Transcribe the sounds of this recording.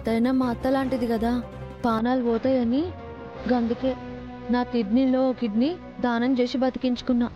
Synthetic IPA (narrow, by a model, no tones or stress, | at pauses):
t̪ɐjnaːmaːt̪ːɐlaːɳʈid̪ikɐd̪aː | paːnaːlʋɔːt̪ɐjɐni | ɡɐnd̪ukeː | naːt̪iɖnilo̞ːokiɖni | d̪aːnɐmd͡ʒeːsibɐt̪i̥kiɲt͡ʃu̥kunːaː